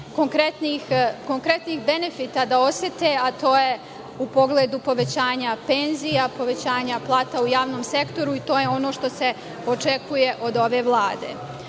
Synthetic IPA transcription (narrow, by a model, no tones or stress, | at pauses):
koŋkɾet̪nixko̞ŋkɾe̞t̪niːxbe̞nefiːt̪ad̪ao̞sjet̪e̞at̪o̞ːje | upo̞ɡled̪upo̞ʋe̞t͡ɕaːɲape̞nzijapo̞ʋe̞t͡ɕaːɲaplˠaːt̪aujaːʋno̞ːmse̞kt̪o̞ɾuit̪oːjeo̞no̞ːʃt̪o̞se̞ | o̞t͡ʃekuje̞ʔo̞d̪o̞ʋeːʋlˠaːd̪eː